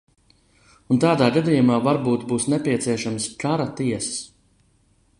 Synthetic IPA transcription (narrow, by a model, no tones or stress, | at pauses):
unt̪aːd̪aːɡad̪ijumaːvaɾbuːt̪buːsnepʲiɛt̪siɛʃamskaɾat̪iɛsɐ̥s